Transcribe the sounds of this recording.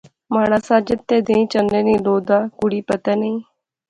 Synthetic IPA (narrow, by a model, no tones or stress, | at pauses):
maːnãːsaːd͡ʒət̪ːeːd̪eĩːt͡ʃənd̪ẽːnĩːloːd̪aːkʊɽiːpət̪ɛːnəĩː